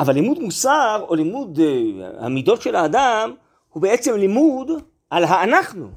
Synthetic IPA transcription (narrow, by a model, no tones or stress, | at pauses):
ʔavalːimud̪musaʁo̞limud̪a̰mid̪o̞tʃelaːd̪am | hubeet͡se̞mlimud̪ | alɦaːnaχnṵ